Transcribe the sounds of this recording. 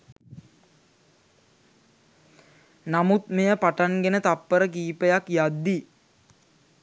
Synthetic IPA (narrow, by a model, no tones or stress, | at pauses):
namut̪mejəpaʈanɡenət̪apːəɾəkiːpəjakjad̪ːi